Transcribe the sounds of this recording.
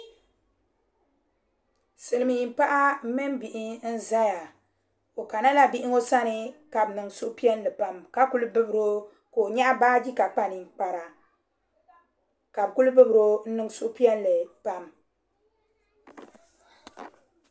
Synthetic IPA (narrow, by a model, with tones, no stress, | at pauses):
sɨ˨lɨ˨mɨ˨ɲi˨mpa˦ʔa˦m˦mɨ˦mbi˨ʔi˦n̩˦za˦ja˨ | o˨ka˨na˦la˦bi˦ʔɪ˦ŋo˦sa˦nɨ˦ka˨bɨ˨nɨ˨ŋ˨su˦ʔʊ˦pi˦ɛ˦nlɨ˨pa˨mka˦ku˦lɨ˦bɨ˦bɨ˨ɾo˦ | ko˨o˨ɲa˦ʔa˦baː˦d͡ʒi˦ka˨k͡pa˨ni˨˦k͡pa˨ɾa˨ | ka˨bɨ˨ku˦lɨ˦bɨ˦bɨ˨ɾo˦n̩˦nɨ˦ŋ˦su˦ʔʊ˦pi˦ɛ˦n˦lɨ˨pa˦m